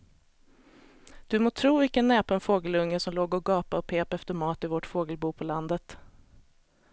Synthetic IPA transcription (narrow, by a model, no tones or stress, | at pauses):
d̪̥ɵmoːt̪ʰɾuːvɪkənːɛːpʰɔɛnfoːɡəlɵŋːəsɔmloːɡɔɡɑːpaɔpʰeːpɛft̪əɾmɑːt̪ɪvɔʈfoːɡəlbuːpʰɔland̪ət̪